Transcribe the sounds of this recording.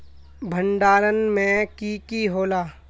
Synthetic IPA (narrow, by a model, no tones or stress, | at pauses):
bʱəɳɖaːɾənmẽkikiɦoːlaː